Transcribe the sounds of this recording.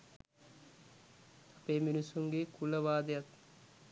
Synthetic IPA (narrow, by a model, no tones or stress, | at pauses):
apeːminisuŋɡekuləʋaːd̪əjat̪